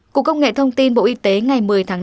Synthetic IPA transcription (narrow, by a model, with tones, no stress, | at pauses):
ku˨˩əkːə˧wŋ͡mŋḛ˧˨t̪ʰə˧wŋ͡mt̪i˧nɓo̰˧˨ʔi˧˦t̪e˨˦ŋa˨˩jmɨ˨˩əjt̪ʰaː˨˦